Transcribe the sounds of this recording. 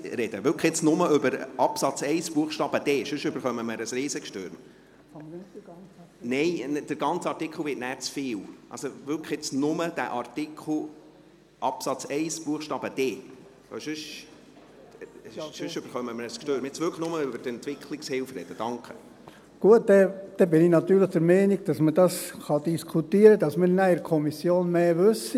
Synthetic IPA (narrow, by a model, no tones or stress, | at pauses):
ɾɛd̪̥əʋʏɾkəjɛt͡snʊməʏbəɾɑpsɑt͡sɛɪsb̥uəχʃtɑːb̥əd̥̪eːʃʉʃʏbəɾχœməməɾəsɾiːsəkʃtøɾm | nɛɪnd̥əɾɡɑnt͡səɑrtɪkʰχl̩ˠʋɪːtnæːɾt͡sfɪːlʔɑ̰lsoʋʏɾkχɪt͡snʊməd̥̪æ̰ʔɑrtɪkʰχl̩ˠ | ʔɑpsɑt͡sɛɪsb̥uəχʃtɑːb̥əd̥eː | o̰ʃʏʃ | ʃøʃʏb̥əɾχœməməɾəskʃtøːɾəmɛt͡sʋʏɾkəχnʊməʏbəɾtɛnt̪ʋɪkʰlɪkshɪlfɾɛ̰d̥əd̥ɑŋkχə | ɡ̥uət̚dɛd̪̥ɛbɪnɪnɑt̪yːɾləχd̥əɾmɛɪniɡ̚d̥ɑsməd̥ɑsχɑd̥̪iskʰutiːəɾədɑsmɪɾnæɪɾkʰɔmisjoːnmeːʋʉsːi